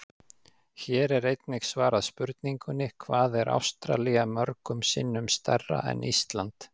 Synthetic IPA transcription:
çɛːɾɛɾejt̪nɪxsvaːɾaðspʏɾt̪niŋkʏnɪkʰvaːðɛɾʔa̰wst̪ɾa̰liɣamœɾkʏmsɪnːʏmst̪ɛrːa̰ɛ̰nʔist̪lant̪

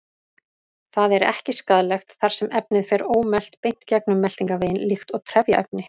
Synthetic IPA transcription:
θaðɛɾɛ̰hcɪskaðlɛxt̪θaɾ̥sɛmɛpnɪðfɛɾoːwmɛl̥t̪pejn̥t̪cɛknʏmːɛl̥t̪iŋkaveːjɪnlixt̪ɔɣt̪ʰɾɛvjaʔɛ̰p̚nɪ

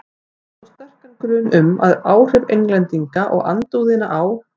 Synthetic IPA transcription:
taɾ̥sst̪ɛr̥kaŋkɾʏːnʏma̰ðaːwr̥ɪvejŋklɛnt̪iŋkaʔɔ̰ɣa̰nt̪uwðɪnaʔaw

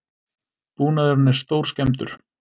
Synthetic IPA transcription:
puːnaðʏɾnːɪɾ̥st̪owɾ̥skcɛmt̪ʏ̰ɾ̥

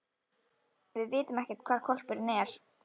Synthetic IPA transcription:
vɪðvɪːt̪ʏmɛhcɪ̥t̪̚kʰvaːɾkʰɔl̥pʏɾnɛɾ̥

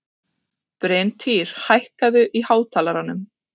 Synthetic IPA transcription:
pɾeːnt̪ʰiːɾ̥hajhkaðʏʔihaːwt̪ʰaːlaɾanːʏm

